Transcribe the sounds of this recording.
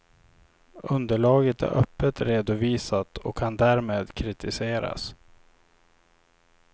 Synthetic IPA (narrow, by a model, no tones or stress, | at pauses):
ʔɵnd̪əɭɑːɡət̪æ̰ɾʔœpːət̪ɾeːd̪ʊviːsat̪ɔkʰːand̪æɾmeːd̪kʰɾɪt̪ɪseːɾa̰s